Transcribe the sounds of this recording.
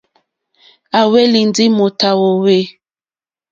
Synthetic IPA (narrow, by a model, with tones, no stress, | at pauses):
a˨we˦li˨ndi˦mo˨ta˨wo˨we˦